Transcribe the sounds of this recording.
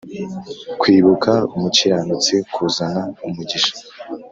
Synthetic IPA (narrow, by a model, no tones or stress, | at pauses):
kwiːβukaumuciɾanut͡sekʰuzanaumuɟiʃḁ